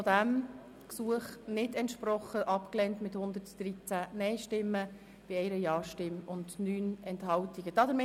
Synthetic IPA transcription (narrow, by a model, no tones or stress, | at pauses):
ɔdæm | ksuəχnɪdɛntʃpɾɔχːəʔɑpklɛntmɪthʊnd̪əɾtd̥ɾit͡sænɛɪʃtɪmːə | b̥ɪɛɪɾəjɑːʃtɪmʊndnyːnɛnthɑltiɡ̥əd̥ɑːd̥̪əɾmɪ